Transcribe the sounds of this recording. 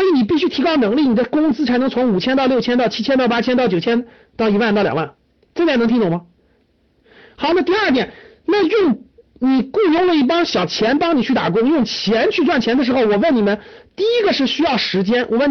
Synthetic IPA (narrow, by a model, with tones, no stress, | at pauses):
i˧˥ni˨˩pi˥˩ɕy˥t̪ʰi˧˥kɑ˥ʊnɤ˧˥ŋli˥˩ni˨˩d̪ə˦kʊ˥ŋsɹ̩˥t͡sʰa˧˥ɪnɤ˧˥ŋ˥t͡sʰʊ˧˥ŋu˨˩t͡ɕʰjɛ˥nt̪ɑ˥˧ʊljo˥˩ʊɛ˥nt̪ɑ˥˩ʊt͡ɕʰi˥t͡ɕʰjɛ˥nt̪ɑ˥˩ʊpa˥t͡ɕʰjɛ˥nt̪ɑ˥˩ʊt͡ɕjʊt͡ɕʰjɛ˥n | t̪ɑ˥˧ʊi˧˥wa˥˧nt̪ɑ˥˩ljɑ̰˨˩ŋwa˥˩n | t͡st̪ʰa˥˩n˧˥ŋt̪ʰi˥t̪ʊ˨˩ŋmɐ˧˩ | xɑ˧˥ʊnə˧t̪̬i˥˧ə˞˥˩t̪̬jɛ˨˩˦n | na˥˧jʊ˥˧ŋ | ni˨˩ku˥˧jʊ˥˩ŋlə˧˦i˥˩pɑ˥ŋɕjɑ˨˩ʊt͡ɕʰjɛ˧˥np̪ɑ˥ŋni˨˩t͡ɕʰy˥˩t̪a̰˨˩k̬ʊ˥ŋjʊ˥˩ŋt͡ɕʰjɛ˧˥nt͡ɕʰy˥˧t͡swa˥˩nt͡ɕʰjɛ˧˥nd̪ə˧ʂ̬ɻ̩˧˥xo˥˧ʊwɔ˨˩wə˥˩ni˨˩mə˦nt̪i˥˩i˥ɡə˧ʂɻ̩˥˩ɕy˥jɑ˥˩ʊʂɻ̩˧˥t͡ɕjɛ˥nwʔɔ˨˩wə˥˩n